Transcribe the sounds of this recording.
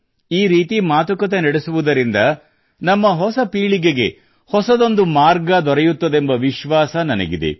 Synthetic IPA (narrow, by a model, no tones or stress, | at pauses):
iːɾiːt̪imaːt̪ukɐt̪enɐɽesuʋud̪ɐɾind̪ɐ | nɐmːɐɦɔsɐpiːɭiɡeɡe̞ | hɔsɐd̪o̞nd̪umaːɾɡɐd̪ɔɾɛjut̪ːɐd̪e̞mbɐʋiʃʋaːsɐnɐnɐ̰ɡid̪ḛ